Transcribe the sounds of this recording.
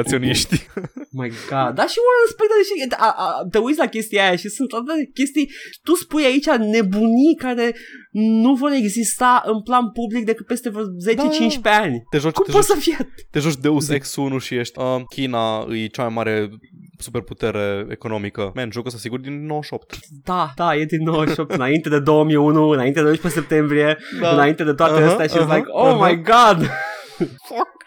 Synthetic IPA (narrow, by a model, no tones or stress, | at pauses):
at̪sio̞niʃt̪ʲmajɡad̪d̪aʃiunrəspekt̪d̪eʃiət̪aʔt̪eujt̪sʲlakʲe̞st̪ijaajaʃisɨnt̪at̪at̪ekʲe̞st̪ijt̪uspujait͡ʃʲane̞bunikaɾe̞nuvo̞ɾe̞ɡzist̪aʔɨnplanpublik̚d̪ekɨt̪̚pe̞st̪e̞vze̞t͡ʃe̞t͡ʃint͡ʃʲpe̞anʲt̪eʒot͡ʃkumposəfijat̪eʒot͡ʃd̪euseksunuʃijeʃt̪ʲəkʲinaɨ̰jt͡ʃamajmaɾesuperput̪eɾeḛkono̞mikəmeɨnʒokəst̪asiɡurd̪inːowəʃop̚t̪d̪ad̪ajed̪inːowəʃop̚t̪ɨnaint̪ed̪e̞d̪o̞wəmiunuɨnaint̪ed̪oipesep̚t̪e̞mbɾieɨnaint̪ed̪et̪oat̪eəsaʃilajkomajɡɑd̪ | fak